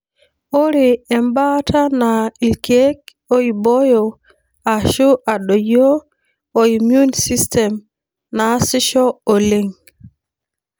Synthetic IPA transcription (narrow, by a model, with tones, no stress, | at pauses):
o˦ɾi˨ɛ˨mba˦tʰa˦nai˨lke˦k̚ | o˦ibo˦jo | a˨ʃu˦ʔa˨ɗo˨jo˦ | oimjunsi˦stɛm | na˨si˦ʃɔo˨liŋ